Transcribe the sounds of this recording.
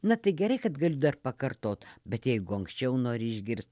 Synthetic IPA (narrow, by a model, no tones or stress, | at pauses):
nɐt̪ɐɪɡʲɛɾɐɪkɐt̪ɡɐlʲʊd̪ɐrpɐkɐrt̪oːt̪bʲɛt̪jɛɪɡʊɐŋksʲt͡ʃʲɛʊnoːɾʲɪɪʒʲɡʲɪɾst̪̚